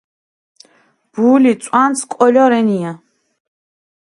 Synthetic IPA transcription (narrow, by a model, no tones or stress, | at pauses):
b̥uːlit̪sʼwanskʼɔlɔɾɛnija